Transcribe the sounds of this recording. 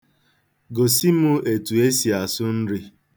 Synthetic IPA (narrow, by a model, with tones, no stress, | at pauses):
ɡo˨si˦mʊ˦e˨tu˨e˦si˨a˨sʊ˦n̩˦ɾi˦